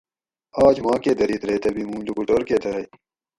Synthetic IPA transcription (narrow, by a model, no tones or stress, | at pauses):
aːd͡ʒmãːkeːd̪ɐɾiːt̪ɾeːt̪ɐbiːmũːd͡ʒukuʈoːɾkeːt̪ɐɾɐi